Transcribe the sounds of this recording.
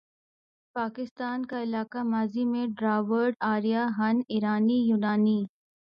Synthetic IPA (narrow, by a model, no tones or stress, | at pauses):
paːkɪst̪aːnkaɪlaːkamaːzimẽɖɾaːʋəɾɖaːɾijaɦɐnɪɾaːnijuːnaːniː